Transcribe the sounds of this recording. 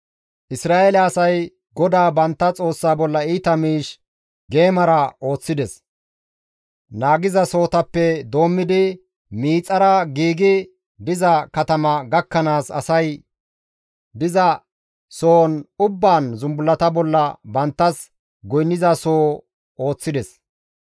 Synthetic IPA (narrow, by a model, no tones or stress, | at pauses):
ʔɪsɾaːʔelɛɐsɐj | ɡɔd̪aːbɐnt̪ːɐt͡sʼo̞ːsːaːbɔlːɐiːt̪ɐmiːʃ | ɡe̞ːmɐɾɐo̞ːt͡sːɪd̪ɛs | naːɡɪzɐso̞ːt̪ɐpːɛd̪o̞ːmːɪd̪ɪ | miːt͡sʼɐɾɐɡiːɡɪ | d̪ɪzɐkɐt̪ɐmɐɡɐkːɐnaːsɐ̰sɐj | d̪ɪzɐ | soːnʊbːaːnzʊmbʊlːɐt̪ɐbɔlːɐbɐnt̪ːɐs | ɡɔjnːɪzɐso̞ː | o̞ːt͡sːɪd̪ɛs